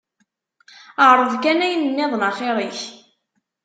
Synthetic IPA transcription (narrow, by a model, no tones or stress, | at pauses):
əʕɾˤəðkænæjənənːɪðˤnəχeɾˤiç